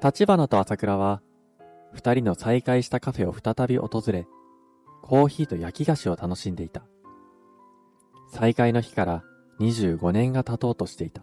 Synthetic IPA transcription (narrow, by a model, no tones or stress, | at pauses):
t̪at͡ɕibanot̪o̞asakɯ̟ɾaβ̞a | ɸɯ̟̥t̪aɾʲino̞saikaiɕi̥t̪akaɸe̞o̞ɸɯ̥t̪at̪abʲiʔo̞̰t̪o̞zɨɾe̞ | kʰo̞ːçiːt̪o̞jakʲiɡaɕio̞t̪ano̞ɕĩnd̪e̞it̪ḁ | saikaino̞çi̥kaɾa | ɲ̟iʑɨːɡo̞nẽ̞ŋɡat̪at̪o̞ːt̪o̞ɕi̥t̪e̞it̪ḁ